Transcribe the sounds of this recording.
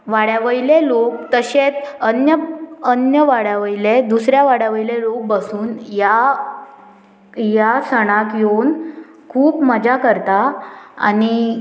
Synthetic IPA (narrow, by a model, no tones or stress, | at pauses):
ʋaɽjaʋəilelok̚t̪əɕet͡sənjəənjəʋaɽjaʋəiled̪usɾjaʋaɽjaʋəilelok̚bəsuːnja | jasəɽ̃ãkjon | kʰuːpməd͡ʑʱakəɾt̪aa̰ni